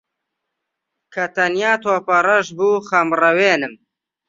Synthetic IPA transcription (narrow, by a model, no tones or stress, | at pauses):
kʰɐt̪ɐnjaːt̪ʰoːpɐɾɐʒbuːχɐmrɐweːnɨm